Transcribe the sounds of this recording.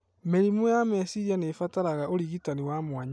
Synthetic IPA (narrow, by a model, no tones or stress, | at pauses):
meɾimujamɛsiɾianefataɾaɣaoɾiɣitaniwamwaɲa